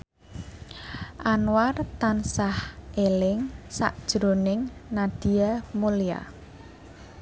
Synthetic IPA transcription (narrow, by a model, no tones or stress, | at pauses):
ʔanwart̪ansahʔelɪŋsa̰ʔd̥ʒ̥ɾonɪŋnad̪̥i̤amulia̰